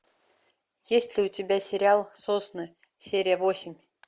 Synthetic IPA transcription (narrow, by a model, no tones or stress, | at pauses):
jesʲtʲlʲɪʊtʲɪbʲæsʲɪɾʲɪalˠsosnɨ | sʲeɾʲɪjəvosʲɪmʲ